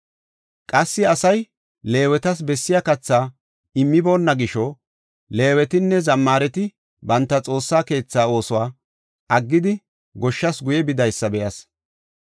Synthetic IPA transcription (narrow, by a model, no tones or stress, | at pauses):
kʼɐsːɪɐsɐj | le̞ːwɛt̪ɐs̬bɛsːɪjɐkɐt͡sːaː | ɪmːɪbo̞ːnːɐɡɪʃɔ | le̞ːwɛt̪ɪnːɛzɐmːaːɾɛt̪ɪ | bɐnt̪ːɐt͡sʼo̞ːsːaːke̞ːt͡sːaːo̞ːsɔwaː | ʔɐɡːɪd̪ɪ | ɡɔʃːɐsɡʊjɛbɪd̪ɐjsːɐbɛʔɐs